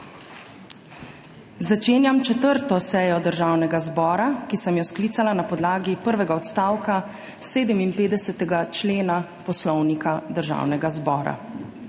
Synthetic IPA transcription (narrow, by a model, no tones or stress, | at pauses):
zat͡ʃeːnjamt͡ʃɛt̪əɾt̪ɔsɛːjɔd̪əɾʒawnɛɡazbɔːɾakisəmjɔsklit̪salanapɔd̪laːɡipəɾʋɛɡaɔt̪st̪aːwka | seːd̪əminpeːd̪ɛsɛt̪ɛɡat͡ʃleːna | pɔslɔwnikad̪əɾʒa̰wnɛɡazbɔːɾa̰